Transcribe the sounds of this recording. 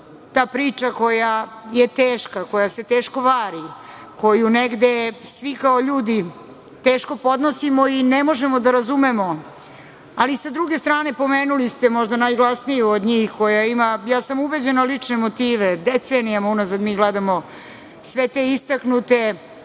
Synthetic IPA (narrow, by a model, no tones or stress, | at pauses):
t̪aːpɾiːt͡ʃako̞jajet̪eːʃkako̞jase̞t̪eːʃko̞ʋaːɾi | ko̞juneɡd̪esʋikaoʎuːd̪i | t̪eːʃko̞po̞d̪nosimo̞inemo̞ʒemo̞d̪aɾazumemo | alisad̪ɾuɡe̞st̪ɾaːne̞po̞meːnulist̪emo̞ʒd̪anajɡlˠasnijuod̪ɲiːxko̞jaimajaːsamube̞d͡ʑenalit͡ʂnemot̪iːʋed̪et̪senijamaunazad̪miːɡled̪amo | sʋet̪eist̪aknut̪e